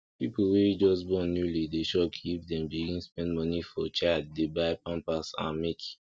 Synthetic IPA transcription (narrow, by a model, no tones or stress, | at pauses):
pipuwed͡ʒɔsbɔ̃njulideʃɔkʰipdɛ̃mbiɡĩnspɛ̃ndmɔnifɔt͡ʃaddebaɪpãnpasã̰nmik